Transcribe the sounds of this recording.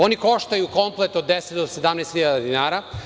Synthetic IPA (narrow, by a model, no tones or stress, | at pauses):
o̞niko̞ʃt̪ajuko̞mplˠet̪od̪ːeset̪d̪ose̞d̪amnɛːst̪xʲiʎad̪ad̪inaːɾa